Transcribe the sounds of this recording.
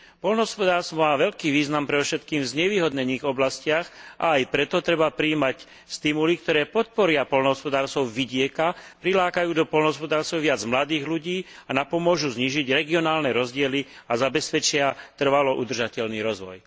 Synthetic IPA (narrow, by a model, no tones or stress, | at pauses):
pɔlnɦɔspɔd̪aːɾst̪ʋɔmaːʋɛʎkiːʋiːznampɾɛd̪ɔfʃɛt̪kiːmvzɲɛʋiːɦɔd̪ɲɛɲiːɣɔblascɪaxʔa̰ːjpɾɛt̪ɔt̪ɾɛbapɾiːmac | st̪imulik̚t̪ɔɾɛːpɔt̪̚pɔɾɪapɔlnɔɦɔspɔd̪aːɾst̪ɔʊʋiɟɪɛkapɾilaːkajuːd̪ɔpɔlnɦɔspɔd̪aːɾsɔʋɪad͡zmlad̪iːɣluɟiːanapɔmʊɔʒuzɲiːʒiɟɾɛɡiɔnaːlnɛɾɔzɟɪɛliazabɛspɛt͡ʃɪat̪r̩ʋalɔʔud̪r̩ʒacɛʎniɾɔzʋɔ̰j